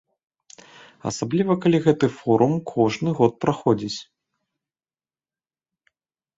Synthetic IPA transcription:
ɐ̰sablʲivɐkalʲiɣɛt̪ɨfɔɾumkʰɔʐnɨɣɔt̪̚pɾaxɔd͡zʲit͡sʲ

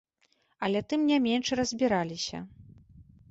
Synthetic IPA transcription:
ɐlʲɛt̪ɨmnʲamʲɛnʂrɐzʲbʲiɾalʲisʲɐ̰

